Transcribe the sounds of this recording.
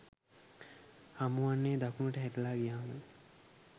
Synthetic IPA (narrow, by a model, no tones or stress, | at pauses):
hamuwanːeːd̪akunəʈəɦæʈəlaːɡijaːmə